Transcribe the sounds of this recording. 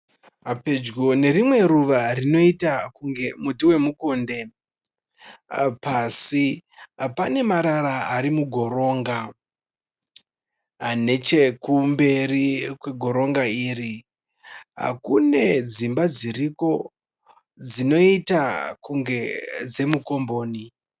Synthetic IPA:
ɦaped͡ʒɡone̞rimwe̞ruʋarino̞itakuŋɡe̞mudiwe̞mukonde̞ | pasipane̞maɾaɾaaɾimuɡʱo̞ɾo̞ːŋɡa | ane̞t͡ʃe̞kumbe̞rikwe̞ɡʱo̞ɾo̞ŋɡaiːri | ɦa̰kune̞d͡zimbad͡ziriko̞ | d͡zino̞itakuŋɡe̞d͡ze̞muko̞mbo̞ːni

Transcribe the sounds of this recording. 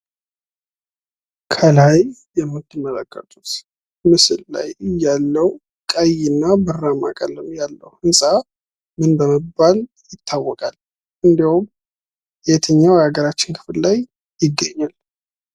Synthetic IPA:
kʰəlajjɛmːɨt̪ːɨmːələkːə̰t̪ʼut̪ | mɨsɨlla̰jɨjːalːəw | kʼəjɪnːabɨrːama̰kʼələmjalːə̰whɨnsʼa | mɨnbəməbːal | jɪt̪ʰːawːɔkʼal | ʔɨnd̪ihum | jɛt̪ʰəɲːawjɛaɡəɾat͡ʃːɪnkʰɨ̥fɨllaj | jɪɡːəɲːal

